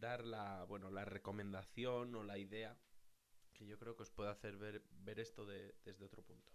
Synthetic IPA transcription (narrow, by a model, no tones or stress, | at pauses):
d̪aɾlaβwe̞no̞lare̞ko̞mẽ̞nd̪aθjo̞no̞laiðe̞a | ke̞ʝo̞kɾe̞o̞kespwe̞ðaθe̞ɾβeɾbe̞ɾe̞st̪o̞ðeð̥e̞zðeo̞t̪ɾo̞punt̪o̥